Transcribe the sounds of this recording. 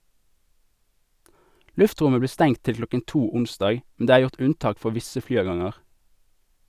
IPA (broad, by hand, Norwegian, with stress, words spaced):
ˈlʉfˌtʁʊmə ˈbliː ˈstɛŋ ˈtɪl ˈklɔkən ˈtuː ˈʊnˌsdɑːɡ mn̩ ˈdeː ˈæːʁ ˈjʊʁt ˈʉnˌtɑːk ˈfɔʁ ˈʋɪsə ˈflyːˌɑːˌɡɑŋəʁ